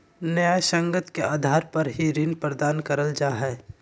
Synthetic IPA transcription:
nəjaʃə̃ŋɡət̪keʔaːd̪ʱaːɾpɐɾɦiɾɪnpɾəd̪aːnkəɾəld͡ʒaːɦɛː

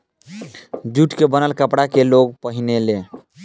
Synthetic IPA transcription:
d͡ʒuʈkebənəlkəpɽakeloɡ̚pəɦinele

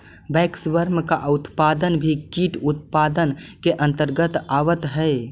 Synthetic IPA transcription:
bɛksʋəɾmkaʔʊt̪pad̪ənbʱikiʈut̪pad̪ənkeʔə̃nt̪əɾɡət̪aʋət̪ɦəe

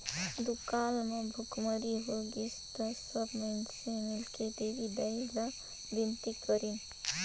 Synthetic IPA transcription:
d̪ukaːlmebʱʊkməɽiɦoɡist̪əsəbmensemɪlked̪eʋid̪əila | bint̪ikəɾin

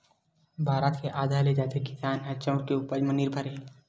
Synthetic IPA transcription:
bʱaːɾət̪keʔaːd̪ʱaːɾled͡ʒaːt̪ekɪ̥saːnɦɐt͡ʃəʊɽkeuːpəɾmənɪɾbʱəɾɦɛ

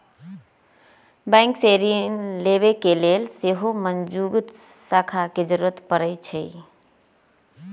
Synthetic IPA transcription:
bɛ̃ŋkseɾiənleβekelelseɦomənd͡ʒuɡt̪sakʰaked͡ʒəɾuɾət̪pəɾəjt͡ʃʰəj

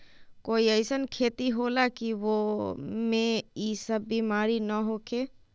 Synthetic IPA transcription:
koːiəɪsənkʰeːt̪iɦolakiʋomẽisəbːimaːɾinəɦokʰeː

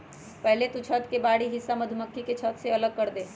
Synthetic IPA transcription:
pɛɦlet̪ut͡ʃʰət̪kebaːɽiɦɪsːaməd̪ʱuməkʰːiket͡ʃʰət̪seɐləɡ̚kəɾd̪e

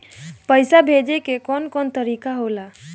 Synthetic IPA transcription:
pəjsabʱed͡ʒekekɔnkɔnt̪əɾikaɦola

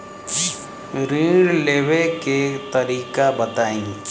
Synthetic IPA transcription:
ɾĩɖleːʋeket̪ɐɾiːkabɐt̪aːĩː

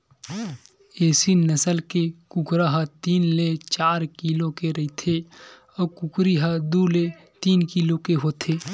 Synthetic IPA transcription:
eːsinəsəlkekʊkɾaɦat̪iːnlet͡ʃaːɾkiːlõkeɾɐit̪ʰe | ɔːkʊkɾiɦad̪ule | t̪iːnkilõkeɦoːt̪ʰeː

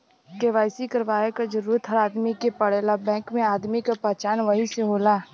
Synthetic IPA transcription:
keʋaːɪsikɐɾʋaːjekad͡ʒəɾuːɾət̪ɦɐɾaːd̪mikepɐɽeːlabɛ̃ːkmẽaːd̪mikapɛɦt͡ʃaːnʋɐɦiseɦoːlaː

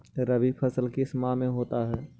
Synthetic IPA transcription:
ɾɐbipʰɐsəlkismamẽɦoːt̪aɦɛː

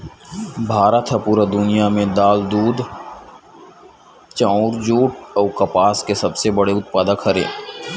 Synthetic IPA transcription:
bʱaːɾət̪ʰɐpuːɾad̪ʊnijamẽd̪aːld̪uːd̪ʱ | t͡ʃãːʊɾd͡ʒoːʈɔːkɐpaːskesɐbsebɐɽeʊt̪̚paːd̪əkhɐɾḛ̃ː

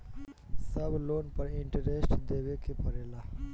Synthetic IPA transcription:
səbʱloːnpəɾiɳʈəɾesʈd̪ebekepəɾela

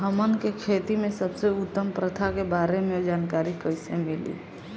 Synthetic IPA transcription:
ɦəmənkekʰet̪imesəbseʊt̪ːəmpɾət̪ʰakebaɾemeod͡ʒankaɾikəɪsemilḭ

